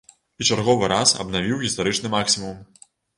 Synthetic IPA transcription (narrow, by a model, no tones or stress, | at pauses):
it͡ʂarɣɔvɨɾasɐ̰bnavʲiwɣʲist̪aɾɨt͡ʂnɨmaksʲimum